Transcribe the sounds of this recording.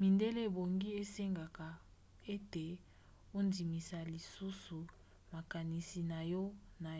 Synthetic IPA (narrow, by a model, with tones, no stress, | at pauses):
mi˨nde˦le˦˨bo˨ŋɡi˦e˦se˦ŋɡa˨ka˨ | e˦te˨ | o˦ndi˨mi˨sa˨li˨su˦su˨ | ma˨ka˨ni˨si˨na˨jɔ˦na˨